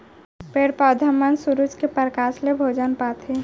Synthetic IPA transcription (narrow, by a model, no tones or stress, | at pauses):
peɽpaːd̪ʱəmənsuɾud͡ʒkepəɾəkaːslebʱoːd͡ʒənpaːt̪ʰɦe